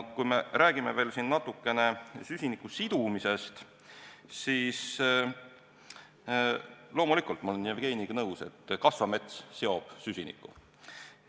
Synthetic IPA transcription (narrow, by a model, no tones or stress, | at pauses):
kujme̞ɾæːɡ̥imeve̞ːlsinːɑt̪ːˑukːe̞ne̞sysʲinikːˑusid̪̥umise̞st̪ | siːs | lo̞ːmulikult̪mɑlenijevɡ̥e̞ːniɡ̥ɑnɤwse̞̰t̪ːkɑsvɑme̞t̪sseo̞b̥sysʲinḭkːˑṵ